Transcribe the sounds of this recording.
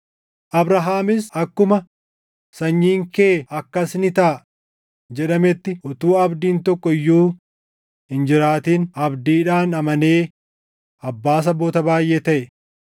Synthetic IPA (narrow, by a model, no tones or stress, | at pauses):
ʔɐbɾɐɦaːmɪsɐkːʊmɐ | sɐɲːiːŋkeːɐkːɐsnɪt̪aː | d͡ʒɛᶑɐmɛt̪ːɪʔʊt̪uːɐbd̪iːnt̪ɔkːɔɪjːuː | hɪnd͡ʒɪɾaːt̪iːnɐbd̪iːᶑaːnɐmɐneː | ʔɐbːaːs̬ɐboːt̪ɐbaːjʔeːt̪ɐʔɛ